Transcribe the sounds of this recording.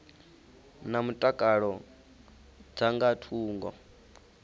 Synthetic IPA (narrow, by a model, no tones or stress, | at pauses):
namutʼakʼaɺɔ | d͡zaŋɡatʰuːŋɡɔ̰